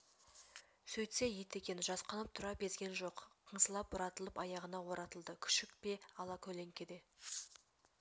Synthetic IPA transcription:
sɵjt̪sejet̪e̞kʲe̞nɪʒɑsqɑnəp̚t̪ʰʊɾɑp̚be̞zɡʲe̞nʒo̞qqʰːəɴsəlˠɑp̚bʊɾɑt̪əlˠəpɑjɑʁənɑwo̞ɾɑt̪əlˠd̪əkʲʰʏ̥ʃɪkpe̞ɑlˠɑkʲʰɵle̞ŋkʲe̞d̪e̞

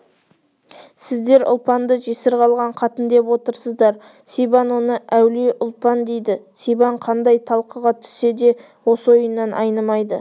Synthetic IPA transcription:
sɪzd̪e̞ɾʊ̰lˠpɑnd̪əʒesɪɾqʰɑlˠʁɑɴqʰɑt̪ənd̪e̞pwo̞t̪əɾsəzd̪ɑɾ | sejbɑnwo̞nəæwleʔʊlˠpɑnd̪e̞jd̪ɪsejbɑɴqʰɑnd̪ɑjt̪ʰɑlˠqəʁɑt̪ʰʏ̥se̞d̪e̞ | wo̞səojənːɑnʔɑ̰jnəmɑjd̪ə

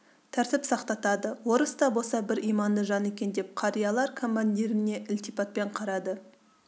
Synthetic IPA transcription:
t̪ʰæɾt̪ɪpsɑqt̪ɑt̪ɑd̪əwo̞ɾəst̪ɑbosɑbɪɾʔijmɑnd̪əʒɑne̞kʲe̞nd̪e̞p̚qʰɑɾijɑlˠɑɾkʰo̞mːanʲd̪iɾɪne̞ʔɪlt̪ipɑt̪̚pe̞ɴqʰɑɾɑd̪ə

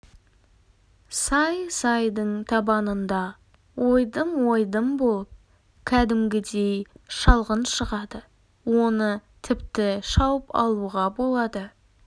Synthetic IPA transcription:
sɑjsɑjd̪əɴt̪ʰɑbɑnənd̪ɑ | wʔo̞jd̪əmwo̞jd̪əmbo̞lˠəp̚ | kʲʰæd̪ɪmɡʲɪd̪e̞jʃɑlˠʁənʃəʁɑd̪ə | wo̞nət̪ʰɪpt̪ɪʃɑwəpɑ̰lˠuʁɑbo̞lˠɑd̪ə

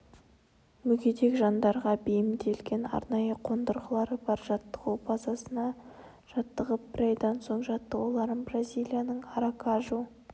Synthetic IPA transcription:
mʏɡʲe̞d̪e̞kʒɑnd̪ɑɾʁɑbejɪmd̪e̞lɡʲe̞nɑ̰ɾnɑjəqʰo̞nd̪əɾʁəlˠɑɾəbɑɾʒɑt̪ːə̥qubɑzɑsənɑ | ʒ̥ɑt̪ːəʁəp̚b̥ɪɾɑjd̪ɑnso̞ɴʒɑt̪ːəwolˠɑɾəmbrazʲijlʲˠijanəɴɑɾakɑʒu

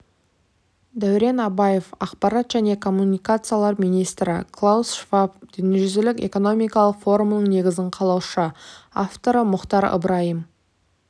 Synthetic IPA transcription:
d̪æwɾe̞nɑbaje̞fɑqpɑɾɑt̪ʒ̥æne̞kʰo̞mːunijkat̪sɨjalˠɑɾmijnijst̪ɾɪ̰kʰlˠawsʃvapd̪̥ʏneʒʏzelɪkʲe̞̰ko̞no̞mijkɑlˠəqfo̞ɾumnəɴne̞ɡʲɪzɪɴqʰɑlˠɑwʃəaft̪o̞ɾəmʊqt̪ɑɾə̰bɾɑjəm

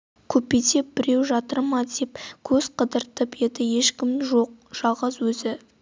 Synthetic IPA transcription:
kʲʰɵpet̪e̞p̚bɪɾe̞wʒɑt̪əɾmɑd̪e̞pkʲʰɵz̥qʰəd̪əɾt̪əpje̞d̪ɪje̞ʃkʲɪmʒo̞q̚ʒ̥ɑlˠʁɑzwɵzɪ

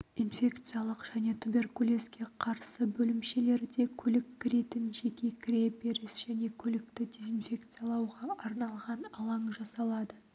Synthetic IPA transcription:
infʲe̞kt̪sɨjalˠəqʒ̥æne̞t̪ʰube̞rkulʲe̞skʲe̞qʰɑɾsəbɵlɪmʃe̞le̞ɾd̪e̞kʲʰɵlɪkʲʰːɪɾe̞t̪ɪnʒe̞kʲe̞kʲʰɾʲe̞pe̞ɾɪsʒ̥æne̞kʲʰɵlɪk̚t̪ɪd̪ʲe̞zinfʲe̞kt̪sɨjalˠɑwʁɑʔɑɾnɑlˠʁɑnɑlˠɑɴʒɑsɑlˠɑd̪ə

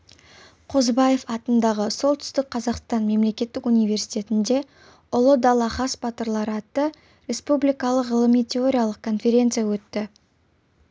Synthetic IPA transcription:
qʰo̞zbɑje̞fɑt̪ənd̪ɑʁəso̞lˠt̪ʰʏ̥st̪ɪk̚qʰɑzɑqst̪ɑnme̞mle̞kʲe̞t̪ːɪkunijvʲe̞ɾsijt̪ʲe̞t̪ɪnd̪e̞ | ʊlˠəd̪ɑlˠɑχɑsbɑt̪əɾlˠɑɾɑt̪ːə | ɾʲe̞spublijkɑlˠəqʁəlˠəmijt̪ʲʰeo̞ɾʲijalˠəq̚kʰo̞nfʲe̞ɾʲe̞nt̪sɨjawɵt̪ːɪ

